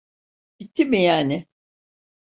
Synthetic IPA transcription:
b̥it̪ʰːimijaːnɪ

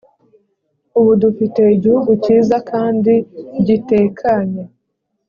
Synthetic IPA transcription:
uβudufite̞iɟihuɡuciːzakaːndiɟite̞ːkʰaɲe

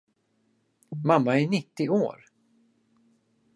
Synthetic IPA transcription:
mamːaæɳɪt̪ːɪʔoːɾ

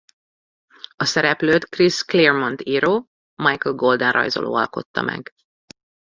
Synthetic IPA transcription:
ɒsɛɾɛpløːt̪krisklermont̪iɾoː | mɑjkəlɡold̪ɛnrɒ̰jzo̰lʔo̰ːɒlko̞t̪ːɒmɛ̰ɡ

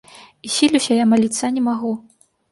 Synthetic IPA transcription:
isʲilʲusʲɐjamalʲit̪sːanʲɛmaɣu

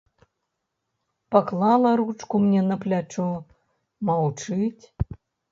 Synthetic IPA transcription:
paklˠalˠɐɾut͡ʂkumnʲɛnɐplʲat͡ʂɔ | mawt͡ʂɨt͡sʲ

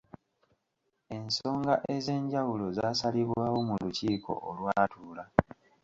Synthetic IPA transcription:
e̞nso̞ːŋɡaʔe̞ze̞ːɲɟawulo̞zaːsaliβwaːwo̞muluciːkʰo̞̰ʔolwaːtuːla

